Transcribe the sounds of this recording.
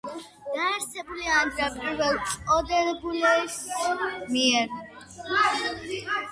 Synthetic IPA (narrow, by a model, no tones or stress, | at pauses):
d̪̥aɛɾsɛbuliand̪ɾapʼiɾvɛlˠɔd̪ɛnɔbulɛsmiɛɾ